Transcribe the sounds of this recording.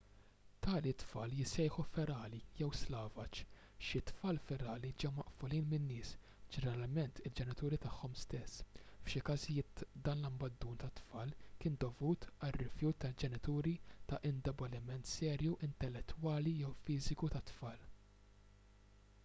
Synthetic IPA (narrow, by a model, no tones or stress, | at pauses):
t̪ʰɐːlit̪fɐːljɪsɛjħufɛɾɐːlijɛwslɐːvɐt͡ʃ | ʃɪt̪fɐːlfɛɾɐːlid͡ʒɛwmɐʔfɔliːnmɪnːɪːs | d͡ʒɛnɛɾɐlmɛnt̪ɪld͡ʒɛnɪt̪uːɾit̪ɐħːɔmst̪ɛsːfʃɪkɐzɪjɪːt̪d̪ɐːnlɐmbɐd̪ːuːnt̪ɐt̪fɐːlkɪːnd̪ɔvuːt̪ɐrːɪfjuːt̪ːɐld͡ʒɛnɪt̪uːɾit̪ɐʔɪnd̪ɛbɔlɪmɛnt̪sɛːɾjuʔɪnt̪ɛlːɛt̪ːuwɐːlijɛwfiːzɪkut̪ɐt̪fɐːl